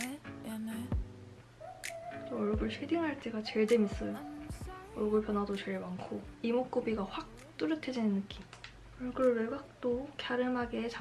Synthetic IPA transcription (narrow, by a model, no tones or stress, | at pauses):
d͡ʑoʌɭɡɯɭsʰwediŋɦaɭt͈iɡat͡ɕe̞ɭdemis͈ʌjo | ʌɭɡɯɭpʰjʌnɦadot͡ɕe̞ɭmaŋkʰoimok̚k͈ubiɡaɸwak̚ | t͈uɾɯtʰed͡ʑinɯnːɯk͈im | ʌɭɡɯɭɾɯɭɡak̚t͈okjaɾɯmaɡet͡ɕa